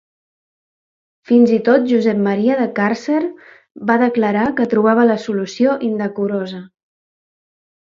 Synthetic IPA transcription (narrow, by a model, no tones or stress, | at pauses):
finzit̪ot̪̚ʒuzɛp̚məɾiəðəkarseɾ | baðəkləɾakət̪ɾuβ̞aβ̞ələsulusioʔind̪əkuɾozə